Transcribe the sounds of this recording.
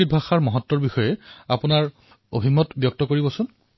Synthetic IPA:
id̚bʱaxaɹmɔɦɔtːɔɹbixɔjɛapʊnaɹ | o̰bʱimɔtbjɔk̚tɔkoɹibɔsʊn

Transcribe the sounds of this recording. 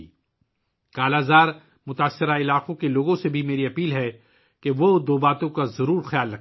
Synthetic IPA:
kaːlaːzaːɾ | mʊt̪aːsːɪɾaɪlaːqõkeloːɡõsebʱimeːɾiɐpiːlɦɛ | keʋod̪oːbaːt̪õkazɐɾuːɾxjaːlɾɐk

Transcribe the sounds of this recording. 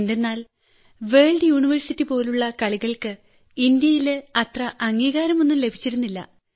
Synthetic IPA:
nde̞nːaːl | ʋe̞ːɭɖɨjuːɳiʋɐrsitːipo̞ːluɭːɐkɐɭiɣɐɭkɨ | ind̪jɐjilɐt̪rɐʔɐŋːiːɣaːɾɐmo̞nːumle̞bʱit͡ɕːiɾunːilːɐ̰

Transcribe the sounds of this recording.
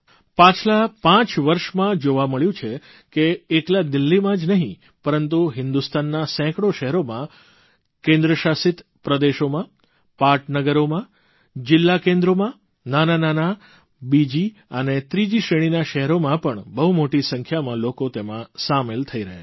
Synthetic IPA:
pãt͡ʃʰlapãt͡ʃʋəɾʃmãd͡ʒoʋaməɭjũt͡ʃʰe | keeklad̪ɪlːimãd͡ʒnəɦĩ | pəɾənt̪uɦɪnd̪ust̪anːasɛ̃kɽoʃɛɦɾomã | kẽnd̪ɾəʃasɪt̪ | pɾəd̪eʃomã | paɾʈnəɡəɾomã | d͡ʒɪlːakẽnd̪ɾomã | nananana | bid͡ʒi | ənet̪ɾid͡ʒiʃɾeɽ̃inaʃɛɦɾomãpəɳbəɦumoʈisə̃ŋkʰjamãlokot̪emãsamelt̪ʰəiɾəɦḛ

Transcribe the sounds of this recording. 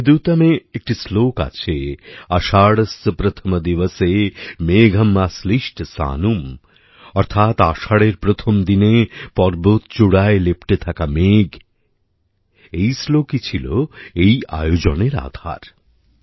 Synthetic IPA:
d̪uwt̪ameek̚ʈisloka̰t͡ɕʰeaʃaɽst̪pɾət̪ʰəmd̪iʋəsemeɡʱɐmːasliʃʈsa̰num | ɔɾt̪ʰat̪aʃaɽeɾpɾot̪ʰomd̪inepɔɾbot̪̚t͡ɕuɽaelepʈet̪ʰakameɡ | ejslokit͡ɕʰilo̰eja̰jod͡ʑoneɾa̰d̪ʱa̰ɾ

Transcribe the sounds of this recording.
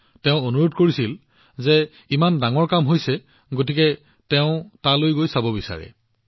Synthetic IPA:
tɛ̃ʊ̃onuɹodkoɹisil | zɛ | imandaŋɔɹkamɦojsɛ | ɡot̬ikɛ | tɛʊ̃talojɡojsabɔbisa̰ɹɛ̰

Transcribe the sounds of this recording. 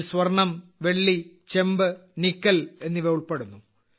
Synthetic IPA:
swɐrɳɐmʋe̞ɭːi | t͡ɕe̞mbɨnikːɐle̞nːiʋeuɭpeɽunːu

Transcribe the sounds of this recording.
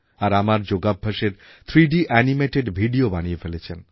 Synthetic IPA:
aɾamaɾd͡ʑoɡabʱːaʃeɾt̪ʰɾiɖiʔɛnimeʈeɖbʱiɖiobañijefelet͡ɕʰen

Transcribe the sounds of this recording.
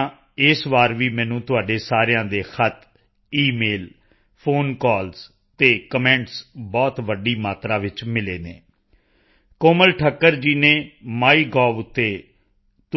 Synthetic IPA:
ɪsʋaːɾʋiːmɛ̃ːnũːt̪ʊaːɖeːsaːɾejãːd̪eːxʰət̪ʰ | iːmeːl | pʰoːnkɔːls | t̪eːkəmɛ̃ːɳʈsbɔːt̪ʋəɖiːmaːt̪ɾaːʋɪt͡ʃmɪleːneː | koːməlʈʰəkːəɾd͡ʒiːneːmaːiːɡɔːʋʊt̪ːeː | t̪

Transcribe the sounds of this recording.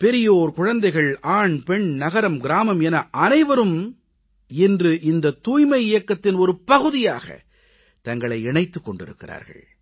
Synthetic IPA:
pɛɾɪjɐoːɾkʊɻɐnd̪ɐɪɣɐɭaːɳpɛɳnɐɣɐɾɐmɡɪɾaːmɐmɛnɐʔɐnɐɪʋɐɾɯm | ɛndrɯʔɪnd̪ɐt̪uːjmɐɪɪjɐkːɐt̪ːɪnɔɾɯpɐɣɯðɪja̰ːɣɐ̰ | t̪ɐŋɡɐɭɐɪɛɳɐɪt̪ːɯkːɔɳɖɪ̰ɾɯ̰kːɪɾa̰ːɾɣɐ̰ɭ

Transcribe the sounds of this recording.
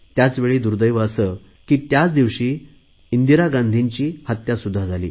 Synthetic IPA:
t̪jat͡sʋeɭiːd̪uɾd̪əjʋəːsə | kiːt̪jat͡sd̪iʋɕiː | ind̪iɾaɡãnd̪ʱiɲt͡ɕiːhat̪jasud̪ʱːad͡zʱalḭː

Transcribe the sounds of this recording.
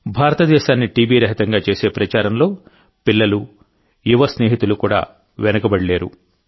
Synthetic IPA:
bʱaːɾɐt̪ɐd̪ɛːʃaːnːiʈiːbiːɾɐɦit̪ɐŋɡaːt͡ʃe̞ːse̞ːpɾɐt͡ʃaːɾɐmlo̞ː | pilːɐlu | juʋɐsne̞ːɦit̪ulukuːɽa̰ː | ʋɛnɐkɐbɐɽile̞ːɾṵ

